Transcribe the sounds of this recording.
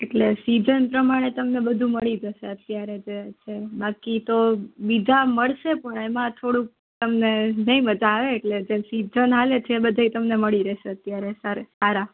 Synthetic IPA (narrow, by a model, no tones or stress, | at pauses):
eʈlesid͡ʒənpɾəmaɽ̃et̪əmnebəd̪ʱũməɭid͡ʒəʃeət̪jaɾed͡ʒet͡ʃʰebakit̪obid͡ʒʱaməɭʃepəɳemãt̪ʰoɽũk̚ | t̪əmnenəĩməd͡ʒaʋeːʈled͡ʒesid͡ʒənɦalet͡ʃʰeːbəd̪ʱait̪əmneməɭiɾɛʃeət̪jaɾesaɾesaɾa